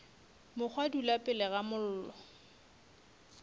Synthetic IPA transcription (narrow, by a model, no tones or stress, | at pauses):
mʊk͡xʰwadulapʼɪlɛɣamʊl̩ːlɔ